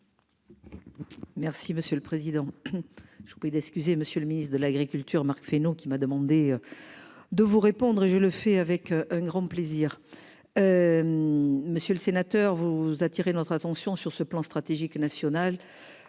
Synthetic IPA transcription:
mɛʁsiməsjøləpχezid̪ɑ̃ | ʒə̥vupχid̪ɛkskʲyzeməsjøləminist̪χd̪əlaɡʁikʲylt̪yʁmaʁkfenokʲimad̪əmɑ̃d̪eø | d̪əvuʁepɔ̃d̪ʁeʒələfɛavɛkʔɛ̃ɡʁɑ̃pleziʁ | ø | məsjøləsenat̪œʁvuzat̪iʁenɔt̪χat̪ɑ̃sjɔ̃syʁsəplɑ̃st̪χat̪eʒiknasjɔnal

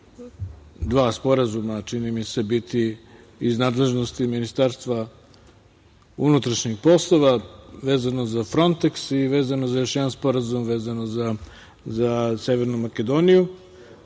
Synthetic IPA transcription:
d̪ʋaːspo̞ɾazumat͡ʃinimise̞bit̪i | iznaːd̪le̞ʒno̞st̪iminist̪aːɾst̪ʋa | unut̪ɾaʃɲixpo̞slˠo̞ʋaʋe̞ːzano̞zafɾo̞nt̪eksiʋe̞ːzanozajo̞ʃjed̪anspo̞ɾazumʋeːzanoza | zaseʋeɾnumaked̪o̞ːniju

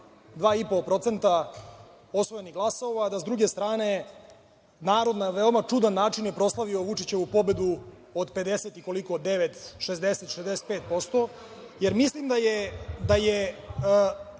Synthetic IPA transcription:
d̪ʋaːipo̞pɾo̞t̪se̞nt̪a | o̞sʋo̞jeniɡlˠaso̞ʋaːd̪azd̪ɾuɡe̞st̪ɾaːne̞ | naːɾo̞d̪naʋeomat͡ʂud̪anːaːt͡ʂinjepɾo̞slˠaʋio̞ʋut͡ʂit͡ɕe̞ʋupo̞be̞d̪u | od̪pe̞d̪eset̪iko̞likoːd̪d̪eʋet̪ʃezd̪eset̪ʃezd̪eset̪̚peːt̪̚po̞st̪o̞ | jeɾmislimd̪ajed̪aje

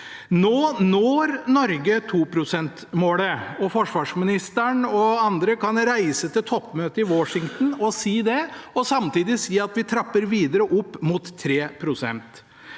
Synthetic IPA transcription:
noːnoːɾnɔɾɡət̪ʰuːpʰɾʊsɛnt̪moːləɔfɔʂʋɑːʂmɪnɪst̪əɳɔɑnd̪ɾəkɑnɾæɪsət̪ʰɪlt̪ʰɔpːmøːt̪əɪʋɔʂɪŋt̪n̩ɔsiːd̪ɛɔsɑmt̪iːd̪ɪsiːɑt̪ʋɪt̪ʰɾɑpːəɾʋiːd̪əɾəʔʊpːmʊt̪ʰːɾeːpʰɾʊsɛ̰nt̪

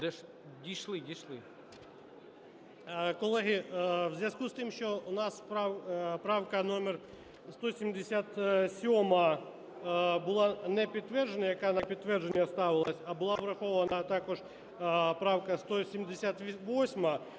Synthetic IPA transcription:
d̪ɛʃ | dʲiʃlˠɪdʲiʃlˠɪ | kɔlˠɛɦɪwzʲjɐskust̪ɪmʃt͡ʃɔʊnɑsppɾɑwkɐnɔmer | st̪ɔsʲimd̪esʲat̪sʲɔmɐ | bʊlˠanɛpʲid̪̚t̪ʋɛrd͡ʒenʲɐjɐkanɐpʲid̪̚t̪ʋɛrd͡ʒenʲːɐst̪ɑʋɪlˠɐsʲɐbʊlˠɑʋɾɐxɔʋɐnɐt̪ɑkɔʒ | pɾɑwkɐst̪ɔsʲimd̪esʲat̪ʋʋɔsʲmɐ

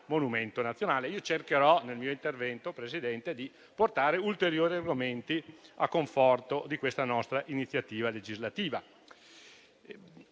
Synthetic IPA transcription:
monument̪onat̪sːjonaːleiːot͡ʃerkeɾɔnelmiːoint̪ervɛnt̪opɾesid̪ɛnt̪ed̪i | port̪aːɾeult̪eɾjoːɾiarɡoment̪iakːoɱfɔrt̪od̪ikwest̪anɔst̪ɾaʔinit̪sːjat̪iːvaled͡ʒizlat̪iːva

